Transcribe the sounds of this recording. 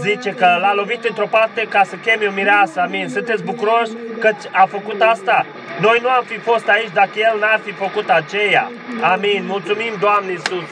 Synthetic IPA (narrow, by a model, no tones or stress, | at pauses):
zit͡ʃe̞kəlalo̞vit̪ɨnt̪ɾo̞part̪e̞kasəkʲe̞meomiɾeasəaminsɨnt̪et̪sbukuɾo̞ʃʲkət͡ʃʲafəkut̪ast̪a | no̞jnuamfifo̞st̪ait͡ʃʲd̪akəje̞lnarfifəkut̪at͡ʃe̞ja̰ | aminmult̪sumimd̪oamneisus